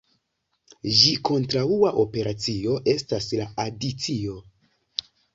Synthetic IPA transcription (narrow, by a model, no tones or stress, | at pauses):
ʒiko̞ntɾauaʔo̞pe̞ɾat͡sio̞ʔe̞staslaadit͡sio̞